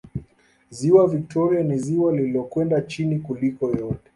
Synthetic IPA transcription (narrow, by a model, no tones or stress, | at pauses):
ziwavik̚tʰɔɾianiziwaliliɔkwɛndat͡ʃinikulikɔjɔtɛ